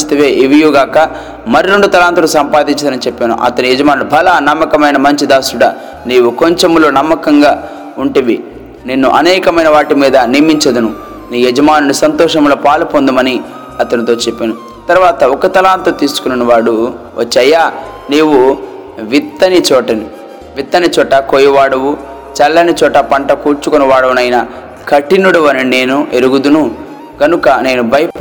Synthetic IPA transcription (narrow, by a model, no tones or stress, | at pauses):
st̪ɐʋeːʔiʋijuɡaːkɐ | mɐɾiɾe̞ɳɖut̪ɐlaːnt̪ulusɐmpaːd̪iɲt͡ʃɐd̪ɐnit͡ʃɛpːeːnṵʔɐ̰t̪ɐnijed͡ʒɐmaːnulubʱɐlɐnɐmːɐkɐmɐjnɐmɐɲt͡ʃid̪aːsuɽɐ | niːwuko̞ɲt͡ʃemloːnɐmːɐkɐŋɡaː | uɳʈiʋi | nenːuʔɐnɛːkɐmɐjnɐʋaːʈimiːd̪ɐnimiɲt͡ʃɐd̪ɐnu | niːjed͡ʒɐmaːnunusɐnt̪ɔːʂɐmlo̞ːpaːlpond̪umɐni | ɐt̪ɐnit̪o̞ːt͡ʃepːenu | t̪ɐɾuʋaːt̪ɐɔkɐt̪ɐlaːnt̪ot̪iːsu̥kununuʋaːɽu | ʋɐt͡ʃːɐjːaː | neːwu | ʋit̪ːɐnit͡ʃɔːʈɐni | ʋit̪ːɐnit͡ʃɔːʈɐkoːjɐʋaːɽɐwu | t͡ʃɐlːɐnit͡ʃɔːʈɐpɐɳʈɐkuːɾt͡ʃukonuʋaːɽɐwunɐjinɐ | kʰɐʈːinuɽuʋɐnine̞ːnueɾuɡud̪unu | ɡɐnukɐne̞ːnubʱɐj